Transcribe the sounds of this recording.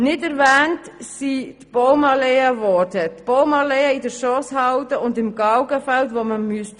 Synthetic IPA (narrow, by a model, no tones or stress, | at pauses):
nɪdɛɾvɛːntsitb̥oʊmɑleəvɔɾdətb̥owmɑleəidəɾʃɔshɑwtəʊndɪmɡɑwɡəfɛltʋoːməmyəst